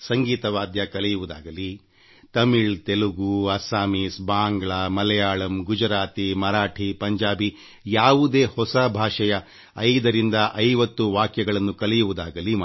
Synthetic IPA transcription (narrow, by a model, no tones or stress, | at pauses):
sɐŋɡiːt̪ɐʋaːd̪jɐkɐlɛjuʋud̪a̰ːɡɐli | t̪ɐmiɭt̪eluɡuɐsaːmisbaːŋɡɭɐmɐlɛjaːɭɐmɡud͡ʒɐɾaːt̪imɐɾaːʈʰipɐɲd͡ʒaːbi | jaːʋud̪e̞ːhɔsɐbʱaːʂɐjɐ | ɐjd̪ɐɾind̪ɐʔɐjʋɐt̪ːuʋaːkjɐɡɐɭɐnːukɐlɛjuʋud̪aːɡɐlim